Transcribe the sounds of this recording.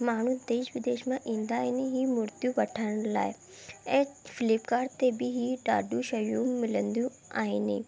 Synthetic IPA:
maːɳ̤ũd̪eːʃʋɪd̪eːʃmãʔĩːnd̪aːiniɦimʊɾt̪jũʋɐʈʰaːɪɽ̃la̰ːɪ | ɛ̃ːfɪlɪpkaːɾt̪ebɪɦiɖa̰ːɖũʃɐjũmɪlə̃nd̪jũ | a̰ːɦɪni

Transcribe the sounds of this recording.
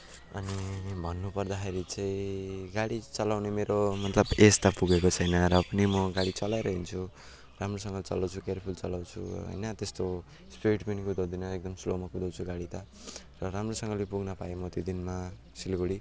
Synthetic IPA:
ʌ̰nibʱʌnːupʌrd̪axeɾit͡saĩɡaɽit͡sʌlawnemeɾomʌt̪lʌbest̪apuɡekot͡sʰʌjnʌɾʌpʌnimʌɡaɽit͡sʌlaeɾʌɦint͡sʰu | ramrosʌŋɡʌt͡sʌlawt͡sʰukeɾpʰult͡sʌlawt͡sʰṵɦʌ̰jnʌt̪est̪o | speʈinikud̪ʌwd̪inmaek̚d̪ʌmslomakud̪ʌwt͡sʰuɡaɽit̪a | rʌɾamrosʌŋɡʌlepuɡnʌpaemʌt̪jod̪inma | silɡoɽi

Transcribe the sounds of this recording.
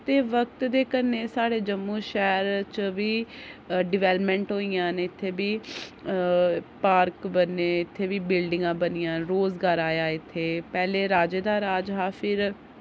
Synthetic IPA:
t̪eːʋək̚t̪d̪eːkəneːsaːɽeːd͡ʒəmːũːʃɛːɾt͡ʃʋiːɖɪʋɛːlpmɛ̃ːɳʈɦoːiːjãːnɪt̪ʰːeːbiː | paːɾkbənːeːɪt̪ʰːeːʋiːbɪlɖɪ̃ŋɡãːbənɪjãːɾoːzɡaːɾaːjaːɪt̪ʰːeːpɛːleːɾaːd͡ʒeːd̪aːɾaːd͡ʒɦaːpʰɪɾ

